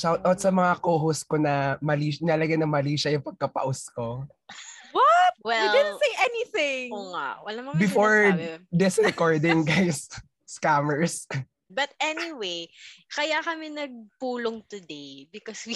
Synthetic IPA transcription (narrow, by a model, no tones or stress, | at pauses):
ʃawt̪ʔɐwt̪sɐmɐŋakoːɦoskonɐmɐliːʃnɪɐlɐɡanɐŋmɐliːʃɐjʊŋpɐɡ̚kɐpɐ̰ʔʊsko | wɐp̚wɛldɪdnsejʔɛniθɪ̃ŋoŋa̰wɐlamɐbɪfoɹd̪ɪsɹɛkɔɹd̪ɪ̃ŋɡajsː | kamɛɹs | bɐt̪̚ɛniwejkɐjakɐmɛnɐɡ̚puːloŋt̪ʊd̪ejbɪkɔswi